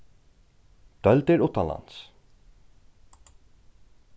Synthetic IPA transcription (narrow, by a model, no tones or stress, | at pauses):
d̪̥œlt̪ɪɹʊt̪ːanla̰ns